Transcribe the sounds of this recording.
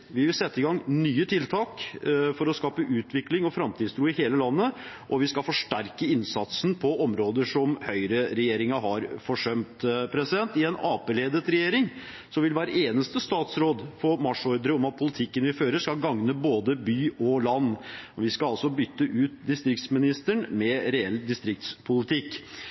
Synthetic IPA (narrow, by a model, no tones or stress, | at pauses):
ʋɪʋɪlsɛt̪ːəɪɡɑŋnyːət̪ʰɪlt̪ʰɑːkfɔɾɔskɑːpəʔʉːt̪ʰʋɪklɪŋɔfɾɑmt̪ʰid̪st̪ʰɾuːɪheːləlɑnːə | ʔɔʋɪskɑlfɔʂʈæɾkəɪnsɑt̪snpʰɔʔɔmɾoːd̪əʂɔmhœʏɾəɾɛjeːɾɪŋɑɦɑɾfɔʂœmt̪pʰɾɛsɪd̪ɛnt̪ɪɛnɑːpeːleːd̪ət̪ɾɛjeːɾɪŋ | sɔʋɪlʋæːɾəeːnəst̪əst̪ɑːt̪sɾoːd̪fɔɾmɑʂɔɾd̪əɾəɔmɑt̪̚pʰʊlɪt̪ʰɪkːənʋɪføːɾəʂkɑɡɑŋnəboːd̪əbyːʔɔlɑnːʋɪskɑɑlsɔbʏt̪ːəʔʉːt̪d̪ɪst̪ɾɪkt̪smɪnɪst̪əɳmɛɾɛɛlːd̪ɪst̪ɾɪk̚t̪spʰʊlɪt̪ʰɪkː